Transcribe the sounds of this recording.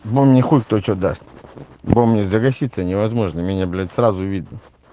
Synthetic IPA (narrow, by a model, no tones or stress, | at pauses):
bomnʲexutʲk̚t̪ot͡ɕod̪a̰st̪ʲ | bomːnʲezəɡɐsʲit̪sənʲɪvɐzmo̞ʐnəmʲɪnʲɛblʲɛt̪ʲsɾazʊvʲid̪̚nə